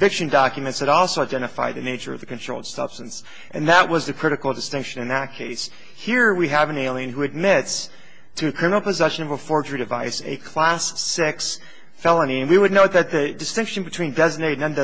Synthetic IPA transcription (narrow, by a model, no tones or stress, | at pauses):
vɪkʃɨ̃ndɑkjɨmɨ̃ntshɨɾɔlˠsoʊaɪdɛ̃ɾ̃ɨfa̰ɪd̪̚ðɨneɪt͡ʃə̰˞ʌ̰vðɨkɨ̃ntʰɹ̥oʊlˠd̥sʌ̰b̥stɨ̃ns | ʔɨ̃nðəʔ̚wʔʌzðɨkʰɹ̥ɪɾɨkl̩ˠdɨstɪ̃ŋkʃɨ̃nɨ̃nðɨt̚kʰeɪs | hiɹwiɨvɨ̃neɪlˠiɨ̃nɦuɨd̚mɪts | tʰɨɨkʰɹ̥ɪ̃mə̃nl̩ˠpɨzɛʃɨ̃nʌvəfɔɹd͡ʒə˞iɾdɨvaɪsɨ̰kʰl̥æsɪks | fɛlˠəniɨ̃nwiwɨdⁿnoʊt̪̚ðɨt̪̚ðɨdɨstɪ̃ŋkʃɨ̃nbɨtʰw̥ĩndɛzɨneɪdnʌ̃nd